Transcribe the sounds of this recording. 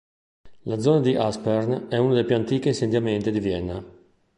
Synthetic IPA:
lad̪zɔːnad̪iʔaspɛɾnɛunad̪ejpjuant̪iːkeint͡ʃend̪jamɛnt̪id̪ivjɛnːa

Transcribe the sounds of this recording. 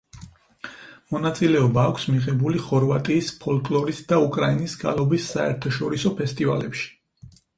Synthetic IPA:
mɔnat̪sʼilɛɔbaːkʷʰsmiʁɛbuliχɔɾvat̪ʼiːspʰɔlkʼlˠɔɾisd̪aukʼɾainisɡa̰lˠɔbisːaɛ̰ɾt̪ʰaʃɔɾisɔpʰɛst̪ʼiva̰lɛpʃi̥

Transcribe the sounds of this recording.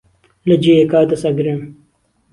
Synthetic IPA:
lɐd͡ʑiekaːt̪ɐsɐɡɾem

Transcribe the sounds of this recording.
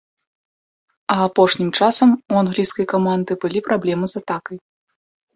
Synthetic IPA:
ɐːpɔʂnʲimt͡ʂasɐmuanɣlʲiskɐjkamand̪ɨbɨlʲipɾʔablʲɛmɨzat̪akɐj

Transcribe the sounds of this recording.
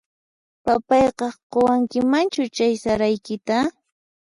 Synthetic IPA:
papɑjqɑqowaŋkɪmant͡ʃʊt͡ʃajsaɾajkɪt̪a

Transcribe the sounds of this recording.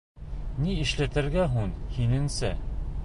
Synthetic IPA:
niɘ̆ʃlæt̪ɘ̆ɾɡæɦunhinɘ̆nsæ

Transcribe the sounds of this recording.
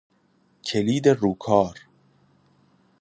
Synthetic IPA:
cʰeliːd̪eɾuːkʰɒːɾ

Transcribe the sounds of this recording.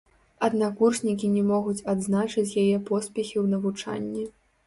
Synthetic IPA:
ɐd̪nakurʂnʲikʲinʲɛmɔɣut͡sʲad̪znat͡ʂɨt͡sʲjajɛpɔspʲɛxʲiwnɐvut͡ʂa̰nʲːi

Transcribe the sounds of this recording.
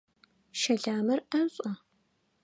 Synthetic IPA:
ʃɐɮaːmɐrɐɕʼɐ

